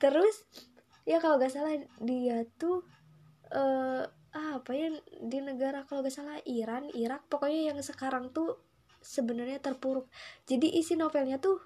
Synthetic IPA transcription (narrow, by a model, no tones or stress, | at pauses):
t̪əɾʊs | jakaloɡasalahdiat̪u | ə | ʔapajadinəɡaɾakaloɡasalahiɾaniɾak̚pakoɲajaŋsəkaɾaŋt̪u | səbənərɲat̪ərpuɾʊk̚d͡ʒadiʔisinofɛlɲat̪u